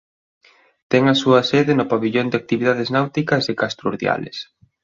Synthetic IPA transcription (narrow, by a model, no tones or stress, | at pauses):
t̪ɛŋɐsuɐsɛðɪnʊpaβiʎond̪ɪak̚t̪iβiðað̞eznawt̪ikɐzðekast̪ɾuɾðja̰lḛs